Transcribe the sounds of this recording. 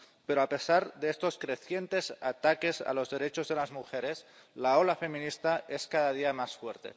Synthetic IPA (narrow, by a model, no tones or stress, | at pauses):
peɾoape̞saɾðeest̪o̞skɾeθjent̪e̞sa̰t̪ake̞sa̰lo̞zðe̞ɾet͡ʃozðelazmuxeɾe̞slaolafe̞mĩnist̪aeskaðað̞iamasfweɾt̪e̞̰